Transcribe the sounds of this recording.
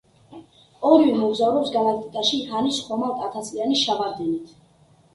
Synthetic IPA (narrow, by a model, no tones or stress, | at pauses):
ɔɾivɛmɔɡzavɾɔpsɡalak̚ʰt̪ʼit̪ʼaʃihanisχɔmaɾt̪ʰʼat̪ʰaslianisʃavaɾd̪ɛnit̪ʰ